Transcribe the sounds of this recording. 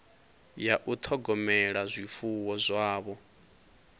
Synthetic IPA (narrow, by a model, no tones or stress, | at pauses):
jaʔut̪ʰɔɡɔmɛɺazʷifuwɔzʷaːβɔ